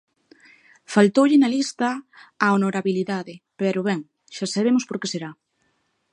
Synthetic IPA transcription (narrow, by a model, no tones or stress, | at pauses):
falt̪owʎɪnalist̪ɐːonoɾaβiliðaðɪpɛɾʊβɛŋ | ʃasaβemʊspoɾkeseɾa